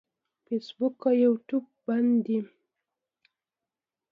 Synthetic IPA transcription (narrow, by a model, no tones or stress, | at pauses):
fesbukajawʈubband̪i